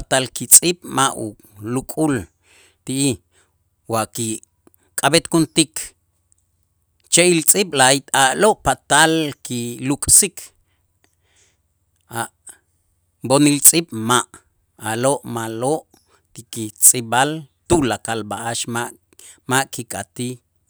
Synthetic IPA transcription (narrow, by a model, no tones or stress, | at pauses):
at̪alkit͡sʼiɓ̥maʔṵ | lukʼul | t̪iʔi | waʔki | kʼabet̪kunt̪ikʰ | t͡ʃeilt͡sʼiɓlait̪aʔloʔpat̪alkilukʼsikʰ | aʔ | bonilt͡sʼiɓ̥maʔ | aloʔmaloʔ | kikit͡sʼibalt̪ulakalbaʔaʃmaʔ | maʔkikʼat̪i